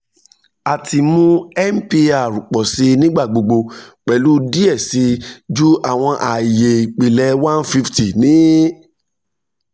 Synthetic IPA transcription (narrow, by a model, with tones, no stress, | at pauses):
a˨tʰi˧mũ˦ɛ˦m̩˦pi˦˧a˨ɾu˨k͡pɔ˨si˧˦nĩ˦ɡ͡ba˦˨ɡ͡bo˧ɡ͡bo˧k͡pɛ˨lu˦di˦ɛ˦˨si˨˦d͡ʒu˦ʔa˦˨w̃ɔ̃˧ʔa˨je˨k͡pi˨lɛ˧˦wã˦n˦fi˦fti˨nĩ˨˦